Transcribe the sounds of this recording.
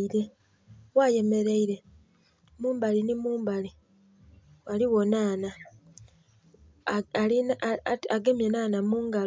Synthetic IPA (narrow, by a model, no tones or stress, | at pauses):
iɾe̞ | waje̞me̞ɾe̞iɾe̞ | muːmbalinimuːmbali | waliwo̞naːna | ainaɡemjenaːnamuːŋɡal